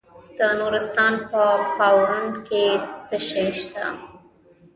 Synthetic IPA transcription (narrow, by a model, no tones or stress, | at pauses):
d̪̥ənoɾɪst̪ɑnpəpawɾʊɳɖket͡səʃejʃt̪a̰